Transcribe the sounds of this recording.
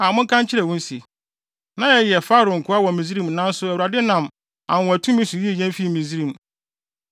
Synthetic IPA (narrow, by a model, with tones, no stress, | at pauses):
a˨mʊ̃˦ŋ̩˦kʰã˦ɲ˦t͡ɕʰɪ˦ɾɛ˨wʊ̃˦n˦sḭ˨ | nã˦jɛ˨jɛ˨faː˦ɾʊ̃˨ŋ̩˨kʰʊ˦a˦wɔ˨mĩ˨zi˦ɾĩ˦˨mnã˦n˦sʊ˦ɛ˨wu˨ɾa˨dɪ˦nã˨m | ã˨wɔ̃˨æ˨tʰũ˦mĩ˦su˨ji˦e˦˨ɲɛ̃˦m˦fi˦˨mĩ˨zi˦ɾĩ˦˨m